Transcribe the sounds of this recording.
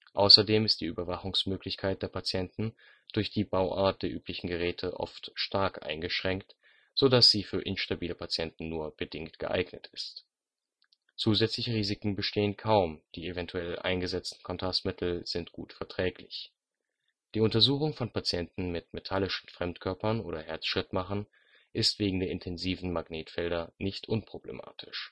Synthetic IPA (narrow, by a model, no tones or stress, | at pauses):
ʔa̰ʊsɐdeːmɪstd̥iːʔyːbɐvaχʊŋsmøːklɪçkʰaɪt̚d̥eːɐpʰat͡sjɛntn̩ | d̥ʊɐçd̥iːbaʊʔa̰ːɐt̚d̥eːɐʔyːplɪçn̩ɡəʁɛːtʰəʔɔ̰ftʃtaɐkʔa̰ɪnɡəʃʁ̥ɛŋkt | z̥odasz̥iːfyːɐʔɪnʃtabiːləpʰat͡sjɛntn̩nuːɐb̥ədɪŋktɡ̥ə̰ʔa̰ɪɡnətɪst | t͡suːzɛt͡slɪçəʁiːzɪkŋ̩bəʃtʰeːənkʰaʊmd̥iːevɛntʰuɛlʔa̰ɪnɡəzɛt͡stn̩kʰɔntʰʁastmɪtʰl̩z̥ɪntɡ̥ṵːtfɛɐtʁ̥ɛːklɪç | d̥iːʊntɐzuːxʊŋfɔnpat͡sjɛntn̩mɪtmetʰalɪʃn̩fʁ̥ɛmtkʰœɐpɐnʔoːɾɐhɛɐt͡sʃʁ̥ɪtmaχn̩ | ʔɪstv̥eːɡŋ̩deːɐɪntʰɛnziːvn̩maɡneːtfɛldɐnɪçtʔʊnpʁ̥oblḛmʔa̰ːtʰɪ̥ʃ